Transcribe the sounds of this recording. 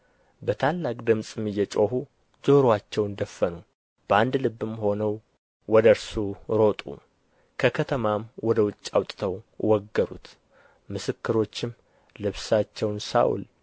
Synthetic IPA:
bət̪ʰalːakʼd̪ɨmsʼɨmːɨjːɛt͡ʃʼo̞hu | d͡ʒoɾwat͡ʃːɛwnd̪əfːənu | b̥əand̪lɨbːɨmho̞nəw | wɔd̪əɾsuɾo̞t̪ʼṵ | kʰəkʰət̪ʰəmamwɔd̪əwʊt͡ʃʼːawt̪ʼt̪ʰəwwɔɡːəɾṵt̪ | mɨsɨkːɨɾo̞t͡ʃːɪm | lɨβsat͡ʃːɛwnsa̰ʔṵl

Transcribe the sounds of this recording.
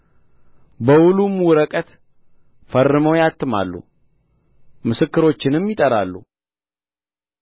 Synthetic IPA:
bəwulumwʊɾəkʼət̪ | fərːɨməwjat̪ʰːɨma̰lːṵ | mɨsɨkːɨɾo̞t͡ʃːɪnɨmjɪt̪ʼəɾa̰lːṵ

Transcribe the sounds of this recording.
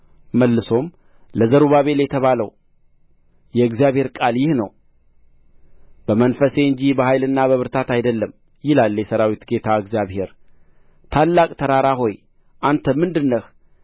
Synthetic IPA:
məlːɨso̞m | ləzəɾuβaβe̞ljɛt̪ʰəβaləw | jɛɨɡzijaβhe̞ɾkʼaljɪhnəw | b̥əmənfəse̞ɨɲd͡ʒibəhajlɨnːaβəβɨɾt̪ʰat̪ajd̪əlːəm | jɪlalːjɛsəɾawit̪ɡe̞t̪ʰaɨɡzijaβhe̞ɾ | t̪ʰalːakʼt̪ʰəɾaɾaɦo̞j | ʔant̪ʰəmɨnd̪ɨnːəh

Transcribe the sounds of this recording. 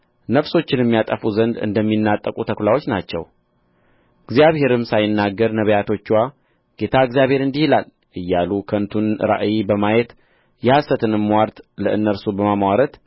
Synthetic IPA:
nəfso̞t͡ʃːɪnjɛmːijat̪ʼəfuzənd̪ɨ̰nd̪əmːinːat̪ʼːəkʼut̪ʰəkʰʷlawo̞t͡ʃːnat͡ʃːɛ̰w | ɨɡzjaβhe̞ɾɨmsajɪnːaɡːəɾnəβəjat̪ʰo̞t͡ʃːwa | ɡ̥e̞t̪ʰaɨɡzijaβhe̞ɾɨnd̪ihilal | ʔɨjːalukʰənt̪ʰunɾa̰ʔjibəmajet̪ | jɛhasːət̪ʰɨnɨmːwaɾt̪ləʔɨnːəɾsubəmamawaɾət̪

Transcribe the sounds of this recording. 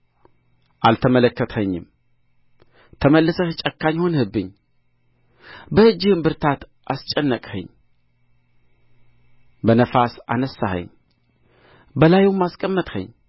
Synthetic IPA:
ʔalt̪ʰəmələkːət̪həɲːɪ̰m | t̪ʰəməlːɨsəhɨt͡ʃʼəkːaɲːho̞nhɨbːɨɲː | bəɨd͡ʒːɪhɨmbɨɾt̪ʰat̪ | ʔast͡ʃʼənːəkʼhə̰ɲː | bənəfasa̰nəsːahə̰ɲː | bəlajomaskʼəmːət̪ʼhə̰ɲː

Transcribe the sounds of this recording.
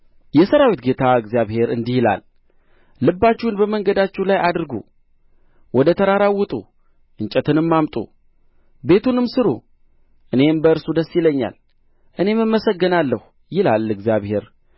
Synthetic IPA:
jɛsəɾawit̪ɡe̞t̪ʰaɨɡzijaβhe̞ɾɨnd̪ijɪla̰lː | ɨbːat͡ʃːiwnbəməŋɡəd̪at͡ʃːɛwlajʔad̪ɨɾɡṵ | wɔd̪ət̪ʰəɾaɾawːɨt̪ʼṵ | ʔɨɲt͡ʃʼɛt̪ʰɨnɨmːamt̪ʼṵ | be̞t̪ʰunɨmsɨɾṵ | ʔɨne̞mbəɨɾsud̪əsːiləɲːa̰l | ʔɨne̞mɨmːəsəɡːənalːəh | jɪlalɨɡzjaβhe̞ɾ

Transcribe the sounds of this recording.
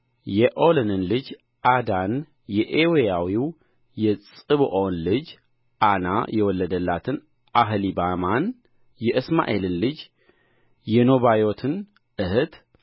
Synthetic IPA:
jɛʔolɨnɨnlɨd͡ʒ | ʔad̪an | jɛʔewejawiw | jɛt͡sʼɨβoʔonlɨd͡ʒ | ʔana̰jɛwɔlːəd̪əlːat̪ʰɨn | ʔaɦlibaman | jɛʔɨsma̰ʔe̞lɨnlɨd͡ʒ | jɛno̞βajo̞t̪ʰɨn | ʔɨhɨt̪

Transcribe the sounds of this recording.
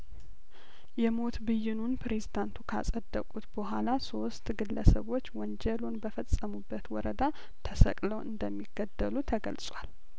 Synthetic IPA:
jɛmo̞t̪bɨjːɪnunpɾe̞zid̪ant̪ʰukʰa̰sʼəd̪ːəkʼut̪b̥əɦʷalaso̞st̪ɡɨlːəsəβo̞t͡ʃːwɔnd͡ʒɛlonbəfəsʼəmubːət̪wɔɾəd̪a | t̪ʰəsə̰kʼləwʔɨ̰nd̪əmːiɡːəd̪ːəlut̪ʰəɡə̰lsʼwal

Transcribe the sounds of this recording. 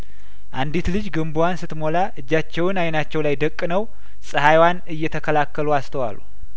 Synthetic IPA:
ʔand̪it̪lɨd͡ʒɡɨmbuwansɨt̪mo̞laʔɨd͡ʒːat͡ʃːɛwɨnajnat͡ʃːɛwlajd̪əkʼːnəw | sʼɨhajwanɨjːɛt̪ʰəkʰəlakːəluast̪ʰəwa̰lːṵ

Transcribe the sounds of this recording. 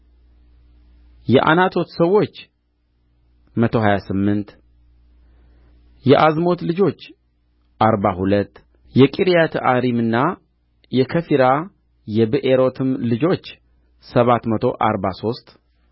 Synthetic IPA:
jɛʔa̰nat̪ʰo̞t̪səwːo̞t͡ʃː | mət̪ʰo̞hajasɨmːɨnt̪ | jɛʔazmo̞t̪lɨd͡ʒo̞t͡ʃː | ʔaɾbahulət̪ː | jɛkʼiɾijat̪ʰəʔaɾimɨnːa | jɛkʰəfiɾa | jɛbɨʔeɾo̞t̪ʰɨmlɨd͡ʒo̞t͡ʃː | səβat̪mət̪ʰo̞ʔaɾbaso̞st̪ʼ

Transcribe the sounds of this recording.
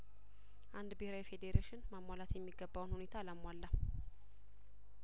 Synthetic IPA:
ʔand̪bəheɾawifed̪eɾeʃɪnməmːalat̪jɛmːiɡəbːawnhune̞t̪ʰaləmwalːə

